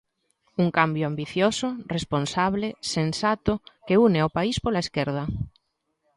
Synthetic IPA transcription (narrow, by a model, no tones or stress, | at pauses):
uŋkambjoambiθjosoresponsaβ̞lesensat̪okeuneopaispolaeskeɾð̞a